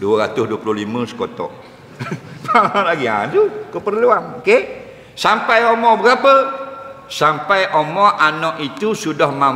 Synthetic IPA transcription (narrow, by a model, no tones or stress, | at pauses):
duəɾat̪ʊsduəplʊɦlimə̃sə̥kot̪ɔ̰ʔ | palaɡia̰nt̪ukəpərluanoke | sampajomɔbəɡapə | sampajʔomɔʔanɔʔit̪usudahma